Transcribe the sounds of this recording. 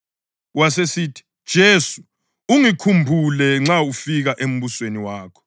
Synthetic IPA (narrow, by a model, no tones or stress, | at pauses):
wasesitʰi̥d̥ʒ̥ʱesu̥ | uŋikʰumbʱulɛŋ͡ǁaufiɣaʔem̩βusweniwaːkʰɔ̥